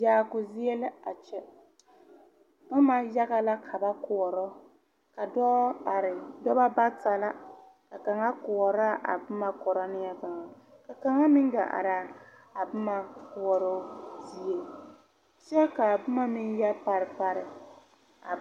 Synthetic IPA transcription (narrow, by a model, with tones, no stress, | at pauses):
jaː˨kʊ˨zɪ˦e˦lɪ˦a˨t͡ʃɛ˦ | ba˦ma˦ja˦ɣa˦la˦kʰa˨ba˦kʊ˨ɔ˨ɾɔ˦ | ka˨dɔ˦˨ɾɪ˨dɔ˦ba˦ba˦ta˨la˦ | ka˨ka˨ŋa˦kʊ˨ɔ˨ɾa˦ʔa̰˨bʊ˦ma˦kɔ˨ɾa˦nɪ˦ja˦ka˨ŋa˨ | ka˨ka˨ŋa˦mɪ˦ŋ˦ɡa̰˨ʔa̰˨ɾa˨ | a˨bʊ˦ma˦kʊ˨ɔ˨ɾo˦di˦e˨ | t͡ʃɛ˦ka˨bʊ˦ma˦mɪ˦n˦ja˦pa˨ɾɪ˨pa˦ɾɪ˨ | a̰˨